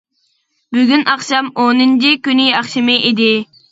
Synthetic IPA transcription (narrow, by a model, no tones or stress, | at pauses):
byɡʲynɑχʃɑmonɨnt͡ʃʰikʲyniɑχʃɪmɨʔid̪ɪ